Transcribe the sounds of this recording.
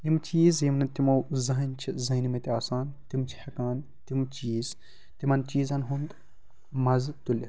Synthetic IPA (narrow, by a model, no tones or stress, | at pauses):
imt͡ʃiːzjimnɐt̪imɐwzɐɦɐnʲt͡ʃʰizɐinimɐt̪ʲiaːsaːnt̪imt͡ʃʰi̥hɐkaːn | t̪imt͡ʃiːz | t̪imɐnt͡ʃiːzɐnɦund̪ | mɐzt̪ulʲi